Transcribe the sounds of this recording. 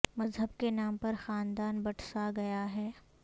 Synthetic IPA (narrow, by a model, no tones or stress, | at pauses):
mɐzɦəb̚kenaːmpɐɾxaːnd̪aːnbɐʈsaɡɐjaɦɛː